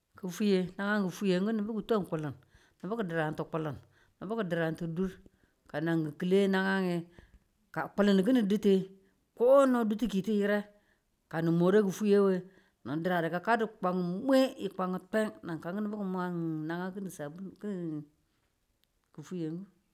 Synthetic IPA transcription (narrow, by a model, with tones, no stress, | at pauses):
kə˨fu˦je˦na˦ŋa˦ŋɡə˨fu˦je˨ŋɡu˦ni˨bu˦ku˨to˦˨ku˨lə˨n | ni˨bi˦kə˨di˨ɾa˨nti˨k͡pu˨lə˨n | ni˨bə˦kə˨di˨ɾa˨n˨ti˨du˦ɾ | ka˨na˨ŋɡi˨ki˨le˦na˦ŋa˦ŋi˨ | ka˨k͡pu˨lə˨n˨k̬i˦ni˨di˦te˦ | ko˦no˦du˦ti˦ki˨ti˦ji˦ɾe˦ | ka˨ni˨mo˨ɾe˦ku˨fu˦je˦we˦ | no˨di˨ɾa˨di˨ka˨ka˦di˦k͡pa˨ŋ˨˦mʷe˦i˨k͡pa˨ŋə˨te˦ŋna˨ŋka˨ŋɡə˦ni˦bu˦kə˨mʷ˦a˦ŋ˨na˨ŋa˦ki˦ni˨sa˨˦ki˦˨ | kə˨fu˦je˨ŋɡu˦